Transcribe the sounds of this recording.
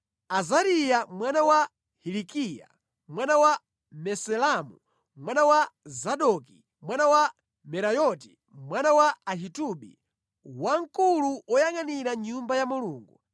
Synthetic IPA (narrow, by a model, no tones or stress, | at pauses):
azaɾijamwanawa | hilikija̰ | mwanawa | mɛsɛlamu | mwanawazaɗɔki | mwanawa | mɛɾajɔti | mwanawaaɦituɓḭ | waŋ̩kuluɔjaŋaniɾaɲumbajamuluːŋɡu